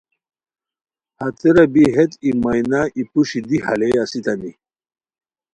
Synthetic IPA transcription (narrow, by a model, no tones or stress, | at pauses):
hɐt̪eɾɐbiɦet̪imajnaʔipuɕid̪iha̰leasit̪ɐni